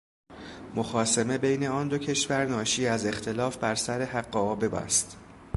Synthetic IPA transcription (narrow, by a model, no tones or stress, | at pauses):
mo̞xɒːseme̞be̞jne̞ɒːnd̪o̞cʰe̞ʃvæɾnɒːʃiːæze̞xt̪ʰe̞lɒːfbæɾsæɾeɦæɢːɒɒːbe̞bæ̰st̪